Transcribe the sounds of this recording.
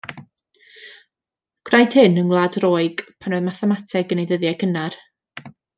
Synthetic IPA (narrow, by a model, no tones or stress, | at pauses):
ɡ̥rajd̥hɨnənlˠadroːɨɡ̥pʰanɔðmaθɛmatʰɛɡənejðəðjakənar